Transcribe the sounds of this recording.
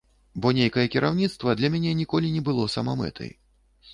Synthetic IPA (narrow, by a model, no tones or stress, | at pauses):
bɔnʲejkɐjɐkʲiɾʔawnʲit̪st̪vɐd̪lʲɐmʲanʲɛnʲikɔlʲinʲɛbɨlˠɔsɐmamɛ̰t̪ʰɐ̰j